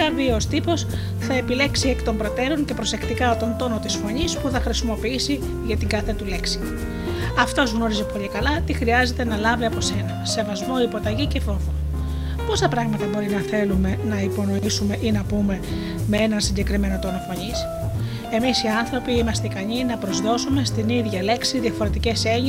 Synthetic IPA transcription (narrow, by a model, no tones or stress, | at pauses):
ɐvioost̪ipo̞s | θɐe̞pile̞ksiekt̪o̞mbɾo̞t̪e̞ɾo̞ɲce̞pɾo̞se̞kt̪ikɐot̪o̞nt̪o̞no̞t̪isfo̞ɲispuθɐxɾisimo̞piisi | ʝɐt̪iŋɡɐθe̞t̪ule̞ksi̥ | ɐft̪o̞zɣno̞ɾizipo̞ʎikɐlɐt̪ixɾiɐze̞t̪e̞nɐlɐviɐpo̞se̞nɐse̞vɐzmo̞ipo̞t̪ɐʝice̞fo̞vo | po̞st̪ɐpɾɐɣmɐt̪ɐbo̞ɾinɐθe̞lume̞nɐipo̞no̞isume̞ʔinɐpume̞ | me̞e̞nɐnsiɲɟe̞kɾime̞no̞t̪o̞no̞fo̞ɲis | e̞misiɐnθɾo̞piimɐst̪eikɐɲinɐpɾozðo̞sume̞st̪iniðʝɐle̞ksiðiɐfoɾe̞t̪ice̞se̞ɲ